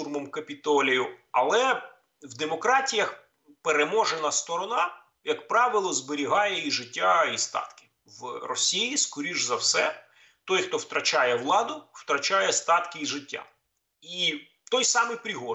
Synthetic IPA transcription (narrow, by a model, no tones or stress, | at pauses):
urmɔmkɐpʲit̪ɔlʲijʊɐlˠɛ | wd̪emɔkɾɑtʲijɐx | peɾemɔʒenɐst̪ɔɾɔnɑ | jɐkpɾɑʋɪlˠɔzbeɾʲiɦɑjɛiʒɪtʲːaist̪ɑ̰t̪kɪ̥ | wrɔsʲijiskɔɾʲiʒzɐwsɛ | t̪ɔjxt̪ɔwt̪ɾɐt͡ʃɑjɛʋlˠɑd̪ʊw̥t̪ɾɐt͡ʃɑjɛst̪ɑt̪kɪiʒɪtʲːa̰ | i | t̪ɔjsɑmɪjpɾʲɪɦɔ